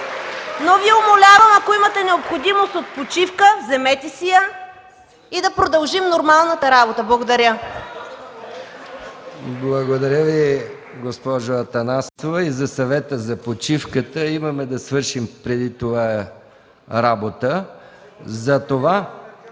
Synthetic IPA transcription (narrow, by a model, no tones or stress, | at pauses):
noviɛomolʲavɐmɐkoimət̪ɛnɛopxod̪imost̪ot̪̚pot͡ʃifkəzɛmɛt̪isijə | id̪ɐpɾod̪ɐlˠʒimnoɾmalˠnət̪əɾabot̪əblˠɐɡod̪ɐɾʲə | blˠɐɡod̪ɐɾʲəvi | ɡospɔʒoɐt̪ɐnasovɛizɐsɐvɛt̪əzɐpot͡ʃifkət̪əimɐmɛd̪ɐsvɤɾʃimpɾɛd̪it̪ova | ɾabot̪ə | zɐt̪ova